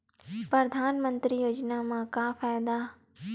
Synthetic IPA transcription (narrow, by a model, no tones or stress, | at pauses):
pɾɐd̪ʱaːnmə̃nt̪ɾijoːd͡ʒnamãkaːfaːjd̪aː